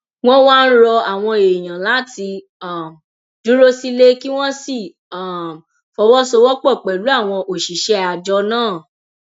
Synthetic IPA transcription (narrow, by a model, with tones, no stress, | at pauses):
w̃ɔ̃˦waː˦˧n̩˦ɾɔ˧a˨w̃ɔ̃˧e˨j̃ã˨la˨˦ti˧ | a˦˨m | du˦ɾo˦si˦le˦ki˦w̃ɔ̃˦si˦˨ | fɔ˧˦wɔ˦so˧wɔ˦k͡pɔ˦˨k͡pɛ˨lu˨˦a˦˨w̃ɔ̃˧ʔo˨ʃi˨ʃɛ˦a˨d͡ʒɔ˧˦nãː˦˨